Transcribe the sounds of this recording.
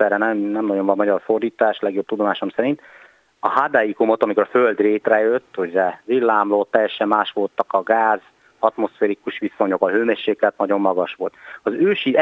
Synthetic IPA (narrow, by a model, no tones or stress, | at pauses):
ɛɾɛnɛmnɛmnɒɟo̞nvɒmɒɟɒrfo̞rd̪iːt̪aːʃlɛɡjo̞b̚t̪ud̪o̞maːʃomsɛɾint̪ | ɒɦad̪ajikumo̞t̪ɒmikoɾɒføld̪reːt̪rɛjøt̪ːoɟrɛvilːaːmloːt̪ːɛjːɛʃɛmːaːʃʋo̞lt̪ɒkɒɡaːz | ɒt̪mo̞sfeːɾikuʃʋiso̞ɲo̞kɒɦøːmɛʃeːklɛt̪nɒɟo̞mːɒɡɒʃʋo̞lt̪ɒzøːʃi